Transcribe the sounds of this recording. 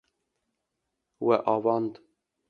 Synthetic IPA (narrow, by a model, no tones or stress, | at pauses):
wɛʔɑːvɑːnd̪